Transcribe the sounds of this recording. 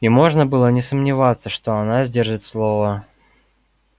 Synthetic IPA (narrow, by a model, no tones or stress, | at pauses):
imo̞ʐnəbɨlˠənʲɪsəmnʲɪvat̪sːəʂt̪oɐnazʲdʲerʐɨt̪slˠovə